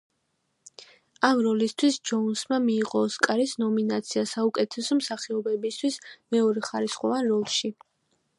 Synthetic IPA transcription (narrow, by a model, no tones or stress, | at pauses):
amɾɔlist̪ʰwisd͡ʒɔunsmamiːqʼɔːskʼaɾisnɔminat̪sʰiasaukʼɛt̪ʰɛsɔmsaχiɔbɛbist̪ʰwismɛɔɾɛχaɾisχʼɔvanɾɔlˠʃi